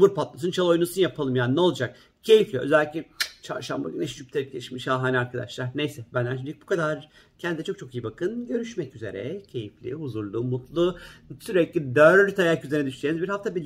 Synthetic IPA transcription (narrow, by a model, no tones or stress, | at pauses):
muɾpat̪̚mas̬ɯnt͡ʃʰalˠo̞jnusunjapʰalˠɯmjaːninɛlˠud͡ʒak̚ | cʰe̞jiflʲijoʔøzælʲːiclʲɪt͡ʃʰa̰ɾʃamba̰ɡynɛʃd͡ʒyp̚t̪ʰeɾɛc̚eiʃmiʃhaːɦanʲiaɾkʰad̪a̰ʃlˠaɾnejsɛbænlæʃʰnyc̚bukʰad̪aɾcʰɛnd̪id̪ɛt͡ʃʰo̞k̚t͡ʃʰo̞kijibakʰɯnɟø̞ɾyʃmɛcyze̞̰ɾɛ̰cʰe̞jiflʲḭuzuɾlˠumut̪lˠusyɾɛclʲid̪øɾt̪ʰajakyzeɾnɛd̪yʃsenizbiɾhaft̪ʰabilʲ